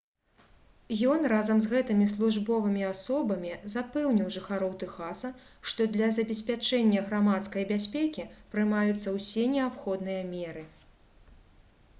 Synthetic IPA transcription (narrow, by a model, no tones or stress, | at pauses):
jɔnrazɐmzɣɛt̪ɨmʲislˠuʐbɔvɨmʲiasɔbɐmʲizapɛwnʲiwʐɨxaɾɔwt̪ɨxasɐ | ʂt̪ɔd̪lʲɐzɐbʲɛsʲpʲat͡ʂɛnʲːɐɣɾamat̪skɐjbʲasʲpʲɛkʲipɾɨmajut̪sːɐwsʲɛnʲɛapxɔd̪nɨjɐmʲɛɾɨ